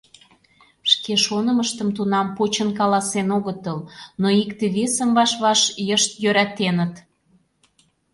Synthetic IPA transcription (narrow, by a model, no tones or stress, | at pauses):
ʃkeʃonəməʃt̪əmt̪unɑmpot͡ɕənkɑlɑsenoɣət̪əlnoikt̪eβesəmβɑʃβɑʃjəʃt̪jøɾæt̪enət̪